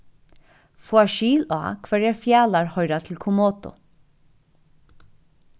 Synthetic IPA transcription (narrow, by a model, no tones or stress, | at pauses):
fuaʃiːla̰ːkʰvɛɹjɛɹfjaːlaɹhɔjɾat̪ʰɪlkʰʊmoːt̪ʊ̰